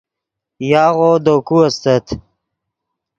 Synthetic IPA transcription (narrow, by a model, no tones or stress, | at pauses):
jaːɣod̪okuɐst̪ət̪